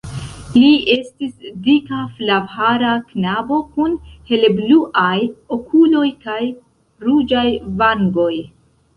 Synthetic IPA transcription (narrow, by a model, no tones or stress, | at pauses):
lie̞stisdikaflavhaɾaknabo̞kunhe̞lebluʔajokʰulo̞jkaj | ɾud͡ʒajvaŋɡo̞j